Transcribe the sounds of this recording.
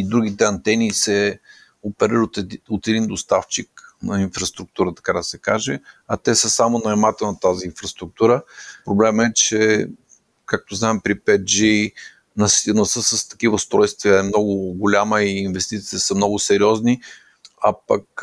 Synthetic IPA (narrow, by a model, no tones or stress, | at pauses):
id̪ɾuɡ̟it̪ɛɐnt̪ɛnisɛ | opɛɾiɾot̪ɛd̪ind̪ost̪aft͡ʃiknɐinfɾɐst̪ɾuk̚t̪uɾət̪ɐ̥kad̪ɐsɛkaʒɛɐt̪ɛsəsamonɐɛmat̪ənɐt̪aziːnfɾɐst̪ɾuk̚t̪uɾəpɾoblɛmɛt͡ʃɛ | kak̚t̪oznaɛmpɾipɛt̪̚d͡ʒi | nɐsinɐsəsəst̪ɐ̥kivəʊst̪ɾɔjst̪viəɛmnɔɡʊɡʊlʲaməiːnvɛst̪it̪siəsəmnɔɡʊsɛɾʲiɔzni | apɐk̚